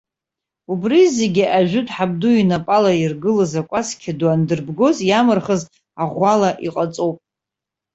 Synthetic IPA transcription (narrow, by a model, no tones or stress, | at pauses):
ubrize̞ɡʲiʔaʒᶣʊtʼħab̚duinapʼalairɡɨlazakʷʼaskʲʰaduandɨrbɡo̞zjamɨrχəz | aʁʷalaʔiqʼat͡sʼowpʼ